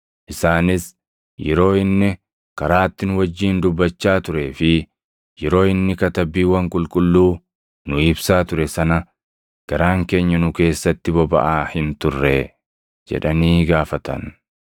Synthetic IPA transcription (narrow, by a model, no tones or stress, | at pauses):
ʔɪsaːnɪs | jɛɾo̞ːɪnːɪ | kɐɾaːt̪ːɪnʊwɐd͡ʒːiːnd̪ʊbːɐt͡ʃːaːt̪ʊɾeːfɪ | jɛɾo̞ːɪnːɪkɐt̪ɐbiːwɐŋkʼʊlkʼʊlːuː | nʊɪbsaːt̪ʊɾɛsɐnɐ | ɡ̥ɐɾaːŋke̞ːɲːɐnʊke̞ːsːɐt̪ːɪbɔbɐ̰ʔaːhɪnt̪ʊrːɛ | d͡ʒɛ̰ᶑɐniːɡaːfɐt̪ɐ̰n